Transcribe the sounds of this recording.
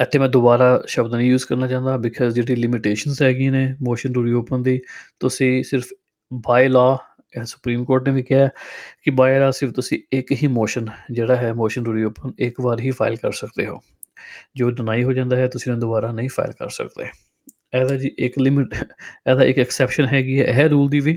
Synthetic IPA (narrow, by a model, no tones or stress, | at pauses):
ɛt̪ʰːeːmɛ̃ːd̪ʊbaːɾaːʃəbd̪nəĩːjuːzkəɾnaːt͡ʃãːnd̪aːbɪkʰɔːzd͡ʒeːɽiːlɪmɪʈeːʃənzɦɛːɡɪĩːneːmoːʃənɾuːɾiːoːpənd̪iːt̪ʊsĩːsɪɾfʰ | baːilɔː | sʊ̥pɾiːmkoːɾʈneːʋiːkɪjaːkɪbaːilɔːsɪɾft̪ʊsĩːɪkɦiːmoːʃənd͡ʒeːɽaːɦɛːmoːʃənɾuːɾiːoːpənɪkbaːɾɦiːpʰa̰ːɪlkəɾsəkd̪eːɦo̰ː | d͡ʒoːɖɪnaːiːɦoːd͡ʒãːnd̪aːɦɛːt̪ʊsĩːnẽːd̪ʊbaːɾaːnəĩːpʰa̰ːɪlkə̰ɾsə̰kd̪eː | ɛːd̪aːd͡ʒiːʔɪklɪmɪʈɛːd̪aːʔɪkɛksɛːpʃənɦɛːɡiːɦɛ̰ːɦɛːɾuːld̪iːʋiː